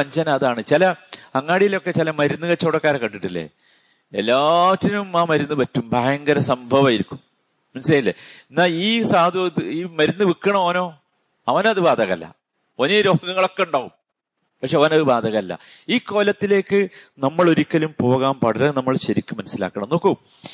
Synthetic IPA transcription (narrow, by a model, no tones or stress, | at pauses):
ɐɲd͡ʑɐnɐɐðaːɳɨt͡ɕilɐɐŋːaːɽijilo̞kːe̞t͡ɕilɐmɐɾunːɨɣɐt͡ɕːoːɽɐkːaːɾɐkːɐʈːiʈːilːḛ | elːaːʋɐtːɐnumaːmɐɾunːɨpɐtːumbʱaːjɐŋɡɐɾɐsɐmbʱɐʋaːjiɾikʲːumː | ɐnɐsilɐjilːeenːaːliːsaːɐd̪ot̪ːɨiːmɐɾunːɨʋikːɐɳɐmoːno̞ː | ɐʋɐnɐðɨbaːd̪ʱɐɣɐɐlːɐ̰ | oniɾo̞ːɡɐŋːɐɭo̞kːe̞uɳɖaːʋum | pɐkʂe̞ɐʋɐnɐðɨbaːd̪ʱɐɣɐɐlːɐ̰iːkːo̞ːlɐt̪ːile̞ːkːɨnɐmːɐɭo̞ɾikʲːɐlumpo̞ːɣaːmpɐɽɐɾɐnɐmːɐɭɕɐɾikʲːumːɐnɐsila̰ːkːɐɳɐmno̞ːkːum